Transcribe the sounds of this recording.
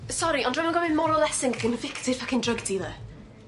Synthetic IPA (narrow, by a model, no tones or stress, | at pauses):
sɔɾiɔndramanɡɔmɪnmɔɾɔlˠɛsɪŋχiməvɪktʰɪ̥fʰakʰɪndrəɡdiðə